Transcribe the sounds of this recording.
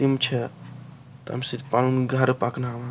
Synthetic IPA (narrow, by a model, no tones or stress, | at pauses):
imt͡ʃʰɛ | t̪ɐ̰msid̪palunɡʱaɾpaknaʋa